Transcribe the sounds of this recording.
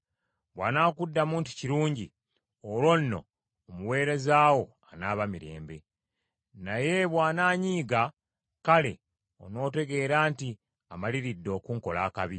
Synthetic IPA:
βwaːnaːkudːamuːntu̥ciɾuːɲɟi | olwo̞nːo̞̰ː | muwe̞ːɾe̞zaːwo̞ | anaːβamiɾe̞̰ːmbe̞̰ | naje̞βwaːnaːɲiːɡa | kale̞̰ | o̰no̞ːte̞ɡe̞ːɾaːnti | amaliɾidːo̞ːkuŋko̞laːkaβi

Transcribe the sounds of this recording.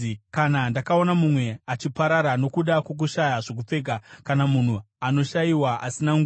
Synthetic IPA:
kanandakao̞namumwe̞at͡ʃipaɾaɾano̞kuɗakwo̞k̬uʃajaʐo̞k̬up͡fe̞ːɡʱakanamun̤u | ano̞ʃaiwaʔasinaŋɡu

